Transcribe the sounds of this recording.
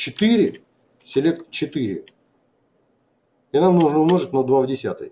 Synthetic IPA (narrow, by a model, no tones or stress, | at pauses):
t͡ɕɪt̪ɨɾʲɪ | sʲɪlʲek̚t̪t͡ɕɪt̪ɨɾʲɪ̰ | ɪnamnuʐnəʊmnoʐɨt̪ʲnod̪vavdʲɪsʲa̰t̪ɨ̰j